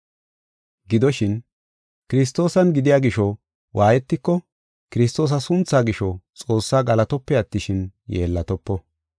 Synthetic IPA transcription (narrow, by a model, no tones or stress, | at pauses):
ɡɪd̪ɔʃɪn | kɪɾɪs̬t̪o̞ːsɐnɡɪd̪ɪjaːɡɪʃɔ | wʔaːjɛt̪ːɪkːɔ | kɪɾɪst̪ːo̞ːs̬ɐsʊnt͡sːaːɡɪʃɔt͡sʼo̞ːsːaːɡɐlɐt̪ɔpːɛɐt̪ːɪʃɪnjeːlːɐt̪ɔpːɔ